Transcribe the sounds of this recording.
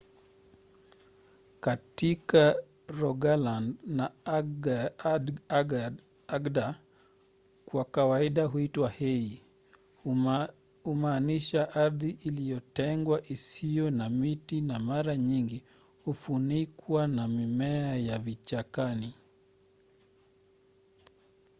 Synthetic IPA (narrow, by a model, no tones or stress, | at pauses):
katika | ɾɔɡalandna | ɡda | kwakawaiɗaɦuitwahɛi | umaːniʃaʔaɾðiʔilijɔtɛŋɡwaʔisijɔnamitinamaɾaɲiŋɡi | hufunikwanamimɛajavit͡ʃakani